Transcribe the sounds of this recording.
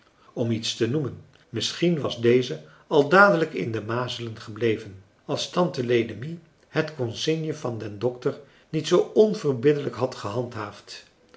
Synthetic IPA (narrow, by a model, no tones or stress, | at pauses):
ɔmitstənumən | mɪsχinʋɑzdejzə | ɑlˠdaːdələkɪ̰ndəmaːzələnχəblejvən | ɑlˠstɑntəlejdəmi | hətkɔnsɪnjəvɑndɛndɔk̚təɹ | nitsowɔnv̥ərbɪdələkɦɑtχəɦɑntɦaːft